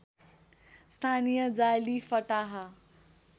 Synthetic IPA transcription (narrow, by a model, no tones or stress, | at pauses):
st̪ʰanijʌd͡zajlifʌʈaɦa